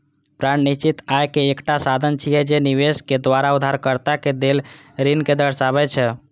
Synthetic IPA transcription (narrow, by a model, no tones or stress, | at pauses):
pɾanːiʃt͡ʃit̪ajkeːkʈasad̪ʱənt͡ʃʰijɛd͡ʒeniʋesked̪ʋaɾaud̪ʱaɾkəɾt̪aked̪el | ɾinked̪əɾsaβɛt͡ʃʰɛ